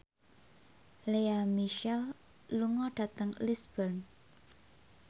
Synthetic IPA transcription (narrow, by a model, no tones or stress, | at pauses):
leamiʃɛl | luŋɔɖ̥ä̤t̪əŋlisb̥ən